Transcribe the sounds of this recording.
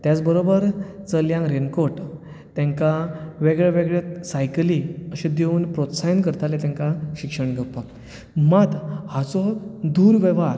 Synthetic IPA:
t̪jat͡sbəɾobəɾt͡səljãŋɡɾenkoʈ | t̪jãŋkaʋeɡɭeʋeɡɭesajkliəɕẽd̪eunpɾot̪sajənkəɾt̪alet̪ãŋkaɕikʂəɳɡʱəpak | mat̪hat͡sɔd̪uɾʋeʋaɾ

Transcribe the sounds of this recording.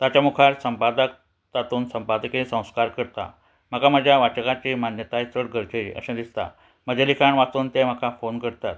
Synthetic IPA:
t̪at͡ɕamukʰaɾsəmpad̪ək̚ | t̪at̪uːnsəmpad̪əkeesə̃w̃skaɾkəɾt̪a̰ | m̤əkaməd͡ʑʱjaʋat͡ɕəkat͡ɕimanjət̪aist̪əɽɡʱəɾkʰeiʔə̰ɕãd̪ist̪a̰ | m̤əd͡ʑalikʰaɳʋat̪uːnt̪em̤əkafonkəɽt̪at̪̚

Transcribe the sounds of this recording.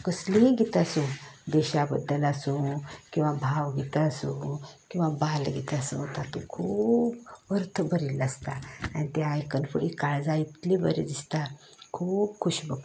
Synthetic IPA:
kəsleɡit̪asũd̪ɛɕabəd̪ːəlasũkĩw̃ʋabʱaʋɡʱit̪asũkĩw̃ʋabalɡʱit̪asũt̪at̪okʰuːpːəɾt̪ʰəbʱəɾiləst̪aːnit̪aajkənfəɽikaɭd͡zait̪libə̰ɾḛd̪ist̪a | kʰuːbkʰuɕbəɡ

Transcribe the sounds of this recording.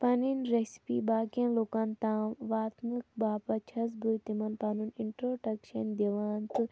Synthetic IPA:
pɐninɾespibaːkẽnlokaːnt̪aːʋaːt̪mɨk̚baːpɐt͡ʃʰɐs̬but̪imɐnpɐnuniɳʈɾoːɖɐkʃɐnd̪iʋaːnt̪ɨ

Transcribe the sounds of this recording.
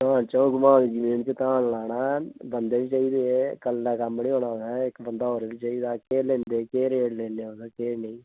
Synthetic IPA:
ãːt͡ʃoõɡʊmãːnid͡ʒimeːnt͡ʃet̪ãːnlaːnaːbənd̪eːʋit͡ʃaːiːd̪eːekəlːɛːkambəniːoːnaːɛːɪkbənd̪aːoːɾeʋiːt͡ʃaːiːd̪aːkeːlẽːnd̪eːkeːɾeːɽlẽːnd̪eːoɡaːkeːnẽĩː

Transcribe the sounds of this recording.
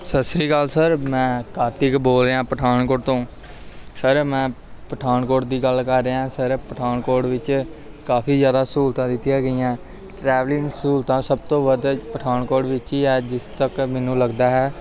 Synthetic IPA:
səsɾiːɡəlsəɾmɛ̃ːkaːt̪ɪkboːlɾeːãːpəʈʰaːnkoːɖt̪õː | səɾmɛ̃ː | pəʈʰaːnkoːɾʈd̪iːɡəlkəɾːeːãːsəɾpəʈʰaːnkoːɾɖʋɪt͡ʃ | kaːfʰiːzjaːd̪aːsuːlt̪ãːd̪ɪt̪ːijaːɡəiːãː | ʈɾɛːʋlɪŋsuːlt̪ãːsəb̚t̪õːʋəd̪pəʈʰaːnkoːʈʋɪt͡ʃiːɛːd͡ʒɪst̪əkmɛːnũːləɡd̪aːɦɛː

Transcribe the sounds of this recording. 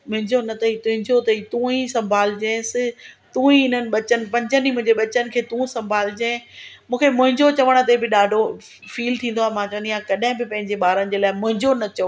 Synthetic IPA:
mʊ̃ɦɪ̃ɲd͡ʑonɐt̪ʰɐit̪ʊ̃ɦɪ̃ɲd͡ʑot̪ɐit̪ũːĩsɐ̃mbʱaːlɪd͡ʑẽːsɪ̆t̪ũːĩɪn̤ənɪ̆ɓɐt͡ɕənɪ̆pɐ̃ɲd͡ʑənimʊ̃d͡ʑeɓɐt͡ɕənɪ̆kʰeːt̪ũːsɐ̃mbʱaːlɪd͡ʑẽːmũːkʰemʊ̃ɦɪ̃ɲd͡ʑot͡ɕɐʋəɽ̃ə̆t̪ebɪɗaːɖʱo | fiːlt̪ʰĩːnd̪oaːmãːt͡ɕɐ̃niːjãkɐɗɦɪ̃bɪpɐ̃ɦɪ̃ɲd͡ʑeɓaːɾənɪ̆d͡ʑeːlaːɪmʊ̃ɦɪ̃ɲd͡ʑonɐt͡ɕɐʋ

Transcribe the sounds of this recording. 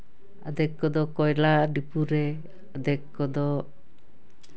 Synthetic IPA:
a̰d̪ɛkːɔd̪ɔkɔjlaɖipuɾɛ | ad̪ɛkkːɔd̪ɔ

